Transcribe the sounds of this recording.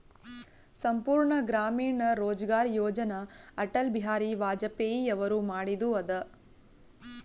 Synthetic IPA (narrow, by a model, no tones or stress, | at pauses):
sɐmpuːɾɳɐɡɾaːmiːɳɐɾoːd͡ʒɐɡaːɾjoːd͡ʒɐnɐɐʈɐlbiɦaːɾiʋaːd͡ʒɐpeːjiɐʋɐɾumaːɽid̪uɐd̪ɐ